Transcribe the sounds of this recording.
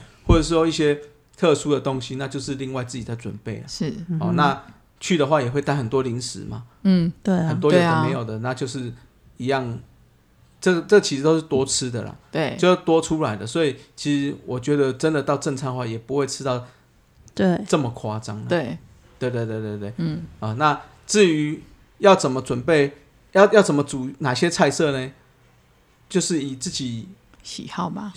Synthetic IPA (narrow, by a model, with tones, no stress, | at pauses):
wɔ˥˩ə˨˩ʂ̬ɻ̩˥˩ʂwɔ˥i˥˩ɕjɛ˦ | t̪ʰɤ˥˧ʂu˥d̪ə˨t̪o˦˥ŋɕi˦na˥˧t͡ɕjo˥˧ʊʂɻ̩˥˧li˥˧ŋwa˥˧ɪt͡sɹ̩˥˩t͡ɕi˨˩t͡sa˥˩ɪt͡swə˨˩npe˥˩ɪla̰˨ɻ̩˥˩hɔ˨na˥˧ | t͡ɕʰy˥˩d̪ə˩xwa˥˩jɛ˨˩xwe˥˩ɪt̪a˥˩ɪhə˨˩nt̪wɔ˦˥li˧˦ŋʂɻ̩̰˨˩ma̰˨˩˥e˥hə˨˩nt̪̬wɔ˥jo˨˩ə˨mẽ˧˥ɪjʊd̪ə˩na˥˧t͡ɕjo˥˧ʊʂɻ̩˥˩ | i˧˥ja˥˨ŋ | ʈ͡ʂə˥˩t͡sə˥˩ɡt͡ɕʰi˧ʂɨ˧t̪o˥ʊʂɻ̩˥˩t̪wɔ˥t͡s̩ʰ˦d̪ə̰˨la̰˨˩e˥˩jo˥˧ʊt̪wɔ˦ʈ͡ʂʰu˦la˨˦ɪd̪ə˨swɔ˧˥i˨˩t͡ɕʰi˧˥ʂɻ̩˧˥wʔɔ˨˩t͡ɕɥɛ˧˥d̪ə˨ʈ͡ʂə˦nd̪ə˨t̪ɑ˥˧ʊʈ͡ʂə˥˧ŋt͡sʰa˥˧ŋxwa˥˩jɛ˨˩pu˧˦we˥˩ɪʈ͡ʂʰɻ̩˥˦t̪ɑ˥˨ʊ | t̪e˥t͡sə˥˩mə˨kʰwa˥t͡sa˦ŋləe˥˩ɪ | t̪we˥˧ɪt̪we˥˧ɪt̪we˥˧t̪we˥˧t̪we˥˩ɪ˥˩ə˨˩na˥˨ | t͡sɹ̩˥˨y˧˥ | jɑ˥˩ʊt͡sə˨˩nmə˨t͡swə˨˩npe˥˩ɪ | jɑ˥˩ʊjɑ˥˩t͡sə˨˩mə˦t͡su˨˩na˨˩ɕjɛ˦t͡sʰa˥˧ɪsɤ˥˨ne˨ | t͡ɕjo˥˧ʊʂɻ̩˥˩i˨˩t͡sɹ̩˥˩t͡ɕi˨˩ | ɕi˨˩hɑ˥˩ʊma˨